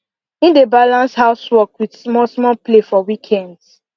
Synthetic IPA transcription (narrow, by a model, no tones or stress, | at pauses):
ĩndebalãnshaʊswɔkwidsmɔsmɔplefɔwikʰɛ̃nds